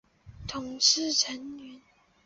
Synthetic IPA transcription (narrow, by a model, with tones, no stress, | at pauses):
t̪ʰʊ˨˩ŋʂɻ̩˥˩ʈ͡ʂʰə˧˥nɥɛ˧˥n